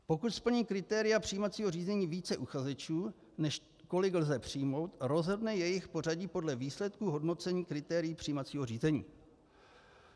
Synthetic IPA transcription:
po̞kut̪spl̩ɲiːkɾɪt̪ɛːɾɪjapr̝̥ijmat͡siːɦo̞riːzɛɲiːviːt͡sɛʔuxazɛt͡ʃuː | nɛʃ | ko̞lɪɡlzɛpr̝̥ɪjmo̞wt̪ɾo̞zɦodnɛjɛjɪxpo̞r̝aɟiːpo̞dlɛviːslɛt̪kuɦo̞dno̞t͡sɛɲiːkɾɪt̪ɛːɾɪjiːpr̝̥iːmat͡siːɦo̞riːzɛɲḭː

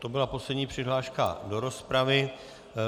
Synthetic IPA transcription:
t̪obɪlapo̞slɛdɲiːpr̥ɪɦlaːʃka̰do̞ɾo̞spɾavɪ

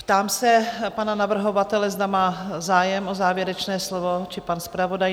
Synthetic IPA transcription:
pt̪aːmsɛpananavr̩ɦo̞vat̪ɛlɛzd̪amaːzaːjɛmʔozaːvjɛɾɛt͡ʃnɛːslovot͡ʃɪpanspɾavo̞daj

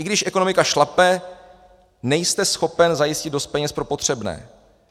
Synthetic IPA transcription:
ɪɡdɪʃʔɛko̞no̞mɪkaʃlapɛ | nɛjst̪ɛsxo̞pɛnzajɪscɪd̪dost̪̚pɛɲɛspɾo̞po̞t̪r̥ɛbnɛ̰ː

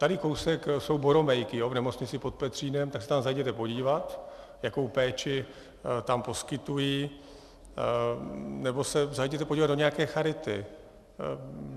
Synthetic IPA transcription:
t̪adɪko̞wsɛkso̞wboɾo̞mɛjkɪjovnɛmot͡sɲɪt͡sɪpo̞t̪̚pɛt̪r̝̥iːnɛmt̪aksɛt̪amzajɟɛt̪ɛpo̞ɟiːvat̪ | jako̞wpɛːt͡ʃɪ | t̪ampo̞skɪt̪ujiː | nɛbo̞sɛzajɟɛt̪ɛpoɟiːvad̪doɲɛjakɛːxaɾɪt̪ɪ

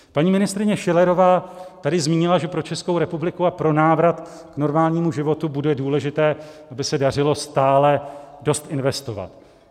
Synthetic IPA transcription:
paɲiːmɪnɪst̪ɾɪɲɛʃɪlɛɾo̞vaːt̪adɪzmiːɲɪlaʒɛpɾot͡ʃɛskowɾɛpublɪkuapɾo̞naːvɾat̪ | kno̞ɾmaːlɲiːmuʒɪvo̞t̪ubudɛduːlɛʒɪt̪ɛːʔabɪsɛdar̝ɪlo̞st̪aːlɛdo̞st̪ɪnvɛst̪o̞va̰t̪

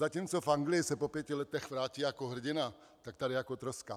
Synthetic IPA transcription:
zaciːmt͡sofaŋɡlɪjɪsɛpopjɛcɪlɛt̪ɛxvɾaːciːjakoɦr̩ɟɪna | t̪ak̚t̪aɾɪjakot̪ɾoska

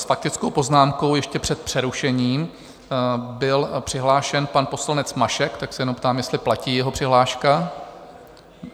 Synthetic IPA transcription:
sfak̚t̪ɪt͡skowpo̞znaːmko̞wjɛʃcɛpr̥ɛt̪̚pr̥ɛɾuʃɛɲiːm | bɪlpr̥ɪɦlaːʃɛnpanpo̞slanɛt͡smaʃɛkt̪aksɛjɛnomwpt̪aːmjɛst̪lɪplaciːjɛɦopr̥ɪɦlaːʃka

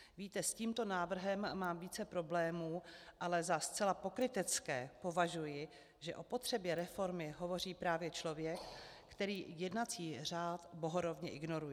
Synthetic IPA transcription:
viːt̪ɛsciːmt̪o̞naːvr̩ɦɛmːaːmviːt͡sɛpɾo̞blɛːmuːʔalɛzast͡sɛlapo̞kɾɪt̪ɛt͡skɛ̰ːpo̞vaʒujɪ | ʒɛʔo̞po̞t̪r̝̥ɛbjɛɾɛfo̞ɾmɪɦo̞vo̞r̝iːpɾaːvjɛt͡ʃlo̞vjɛkː | t̪ɛɾiːjɛdnat͡siːr̝aːt̪bo̞ɦoɾovɲɛʔɪɡno̞ɾujɪ

